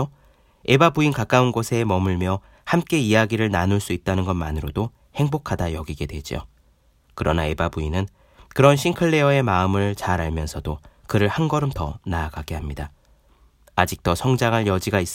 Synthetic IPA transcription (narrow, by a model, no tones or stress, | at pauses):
o | e̞babuinkak͈aunɡosʰe̞mʌmɯɭmjʌ | hamk͈e̞ijaɡiɾɯɭnanuɭs͈uit̚t͈anɯnɡʌnmanɯɾodo | he̞ŋbokʰadajʌɡiɡe̞dwe̞d͡ʑio̰ | kɯɾʌnae̞babuinɯn | kɯɾʌnɕʰiŋkʰɯɭːe̞ʌe̞maɯmɯɭt͡ɕaɾaɭmjʌnsʰʌdokɯɾɯɭhanɡʌɾɯmtʌnaːɡaɡe̞hamɲida | ad͡ʑik̚t͈ʌsʰʌŋd͡ʑaŋɦaɭjʌd͡ʑiɡais͈